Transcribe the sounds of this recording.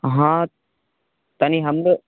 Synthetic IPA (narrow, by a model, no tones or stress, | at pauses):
ɦã | t̪ɐniɦɐmbə